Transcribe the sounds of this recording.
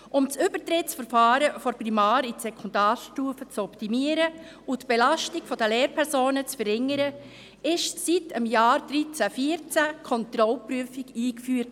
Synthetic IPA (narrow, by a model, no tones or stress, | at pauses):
ʔʊmt͡sʏb̥ətɾɪtsfəɾfɑːɾəfɔɾprimɑːɾisɛkʰɔndɑːrʃtuːfət͡sɔptimiəɾə | utb̥elɑʃtiɡfɔd̥əleːɾpʰɛɾsoːnət͡sfəɾɪŋəɾə | ɪʃsitəmjɑːɾd̪̥ɾit͡sæfiːəɾt͡sækʰɔnt̪ɾɔlpɾyəfikiːkfyːɾt